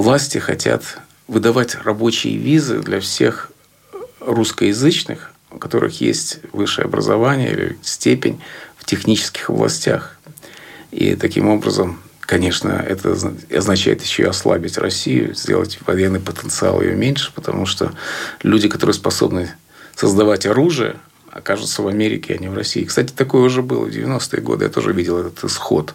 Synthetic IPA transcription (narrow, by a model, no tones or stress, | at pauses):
vlˠasʲtʲɪxɐtʲat̪ | vɨd̪ɐvatʲrɐbo̞t͡ɕɪjəvʲizɨd̪lʲɐfsʲe̞x | ruskəjɪzɨt͡ɕnɨx | kɐt̪o̞ɾʔɨ̰xjesʲtʲvɨʂːɨjəɐbɾəzɐvanʲɪjə̰ḭlʲɪ̰sʲtʲepʲɪnʲftʲɪxnʲit͡ɕɪ̥skʲɪ̥xɐvlˠɐ̰sʲtʲax | ḭt̪ɐkʲimo̞bɾəzəm | kɐnʲe̞ʂnə̰ɛt̪ʰəɐznɐt͡ɕæjɪt̪jɪɕːoɐslˠabʲɪtʲrɐsʲijʊzʲdʲe̞̰lˠətʲvɐjenːɨjpət̪ənt̪sɨa̰lˠɪ̰jo̰mʲenʲʂɨ̥pət̪ɐmuʂt̪olʲudʲɪkɐt̪o̞ɾɨjəspɐso̞bnɨ | səzd̪ɐvatʲɐɾuʐɨjə̰ | ɐ̰kaʐɨt̪səvɐmʲeɾʲɪkʲʰɪɐnʲɪvrɐsʲiːkst̪atʲɪ̥t̪ɐko̞jəʊʐɛbɨlˠə̰vdʲɪ̰vʲɪno̞st̪ɨəɡo̞̰d̪ɨja̰t̪o̞ʐɨvʲidʲɪlˠɛt̪ət̪ɨsxot̪